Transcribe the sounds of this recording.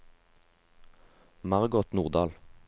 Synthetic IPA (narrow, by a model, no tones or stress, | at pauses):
mɑʁɡɔt̪nuːʁd̪ɑːl